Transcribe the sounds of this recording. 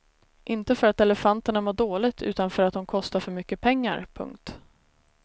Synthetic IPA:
ʔɪnt̪əfœɾat̪ɛlɛfant̪əɳamʊːɖoːlɪɡt̪ʰʉ̟̰ːt̪anfœɾat̪̚d̪ɔmkʰɔst̪aɾfœɾmʏkːəpʰɛŋːa̰ɾpʰɵ̰ŋkt̪

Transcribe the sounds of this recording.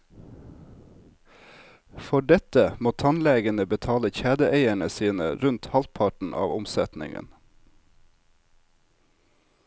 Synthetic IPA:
fɔɖɛt̪əmoːt̪ʰɑnleːɡənəbət̪ʰɑːləçæːd̪əʔeɪæɳəsiːnə̰ɾʉnt̪hɑlt̪̚pʰɑʈɳ̩ʔɑ̰ːʋʊmsɛt̪nɪ̰ŋə̰n

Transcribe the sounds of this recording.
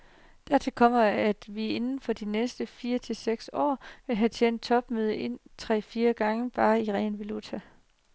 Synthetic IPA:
d̥æɐ̰t͡sʰe̝lkʰɒ̽m̰ɐæd̥ʋie̝nn̩fɒ̽d̥inesd̥əfiːɐt͡sʰe̝lseɡ̥sɒ̰ːʋe̝lɦæt͡sʰen̰d̥̚t͡sʰɒ̽b̥møð̞ˠəʔe̝n̰t͡sʰʁɛ̰ːfiːɐɡ̥ɑ̈ŋəb̥ɑ̈ːiʁɛnʋelut͡sʰæ

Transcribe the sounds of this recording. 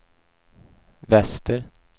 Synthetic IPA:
vɛst̪əɾ

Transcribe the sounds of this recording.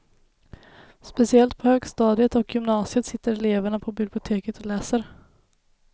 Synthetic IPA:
spɛsɪɛlt̪̚pʰɔhøːɡst̪ɑːd̪ɪət̪ɔkʰjʏmnɑːsɪət̪sɪt̪ːəɾɛleːvæɳapʰɔbɪblɪʊt̪ʰeːkət̪ʰɔlæːsəɾ

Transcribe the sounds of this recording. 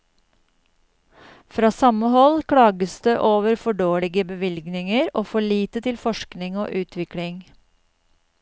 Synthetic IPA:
fɾɑːsɑməhɔlkʰɽɑːɡəsd̪eːʔoːʋəɾfɔɖoːɭɪɡəbəʋɪlɡnɪŋəɾoːfɔɭiːt̪ət̪ʰɪlfɔʃknɪŋo̰ːʔʉːt̪ʰʋɪkɽɪŋ

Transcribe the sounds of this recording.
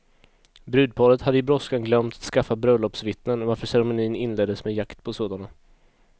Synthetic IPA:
bɾʉ̟ːd̪̚pʰɑːɾət̪had̪ːəɪbɾɔskanɡlœmt̪ḁt̪skafːabɾœlɔpsvɪt̪nənvaɾfœʂɛɾɛmʊniːnɪnleːd̪ːəsmɛjakt̪pʰɔsoːd̪ana

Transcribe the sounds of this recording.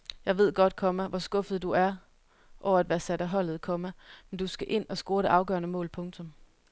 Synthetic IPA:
jɑ̈ɪʋe̝ð̞̰ˠɡ̥ɒ̽d̥̚kʰɒ̽mæʋɒsɡ̥ɔ̽fð̩ˠd̥uæɐ | ʔɒʊ̰ɐæd̥ʋæːɐsæɾ̥æɦɒ̽l̰ð̩ˠkʰɒ̽mæmend̥usɡ̥æʔe̝n̰ɒ̽sɡ̥o̝ːɐɾe̝ʔɑ̈ʊɡ̥ɶ̰ːɐnəmɔ̰̽ːlpʰɔ̽ŋt͡sʰɔ̽m

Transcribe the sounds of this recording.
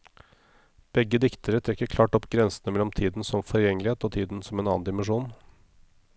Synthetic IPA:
b̥ɛɡːəd̪ɪkt̪əɾət̪ʰɾɛkːəɾkʰlɑːʈɔpɡɾɛnsn̩əmɛlːɔmt̪ʰiːd̪n̩sɔmfɔɾjɛŋəlɪheːt̪oːt̪ʰiːd̪n̩sɔmeːnɑ̰ːnd̪ɪmɛnʂuːn

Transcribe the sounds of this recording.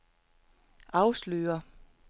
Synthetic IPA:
ʔɑ̈ʊslø̰ːɐ

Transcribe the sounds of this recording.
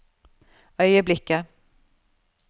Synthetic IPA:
œʏəblɪkːə

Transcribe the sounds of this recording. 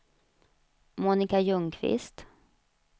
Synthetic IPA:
muːnɪkajɵŋkʰvɪ̰st̪

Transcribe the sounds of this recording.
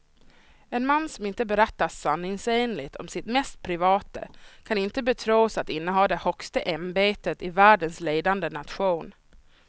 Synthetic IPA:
ɛnmanːsɔmɪnt̪əbɛɾɛt̪ːaanːɪŋseːnlɪt̪ʰɔ̰msɪt̪mɛst̪̚pʰɾɪvɑːt̪ə̰kʰanɪnt̪əbɛt̪ʰɾoːsat̪ɪnːəɦɑːd̪ɛhɔkst̪əʔɛmbeːt̪ət̪ɪvæːɖənsleːd̪and̪ənat̪ɧuːn

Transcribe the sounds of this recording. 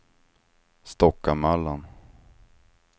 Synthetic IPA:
st̪ɔkːamalːan

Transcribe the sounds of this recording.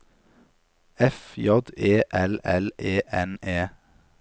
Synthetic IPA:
ɛfjɔd̪eːʔɛlɛlʔeːʔɛneː

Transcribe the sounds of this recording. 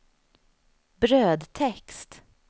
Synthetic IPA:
bɾøːd̪t̪ʰɛkst̪

